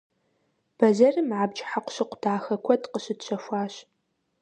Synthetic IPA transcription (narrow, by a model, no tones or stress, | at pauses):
b̥ɐzɐrɨmʕabd͡ʒħaqʷʊ̥ɕɨqʷʊdʰaːxɐkʷʰɔdqəɕɨdɕʷʰɐfʷaːɕ